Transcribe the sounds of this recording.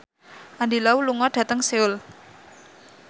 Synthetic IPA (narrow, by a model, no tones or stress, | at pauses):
ʔand̪ilauluŋɔɖ̥ä̤t̪əŋseʊl